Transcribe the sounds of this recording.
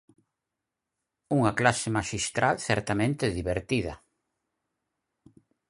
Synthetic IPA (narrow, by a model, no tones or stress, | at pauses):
uŋɐklasemaʃist̪ɾalθɛɾt̪amẽnt̪eðiβeɾt̪ið̞ɐ̰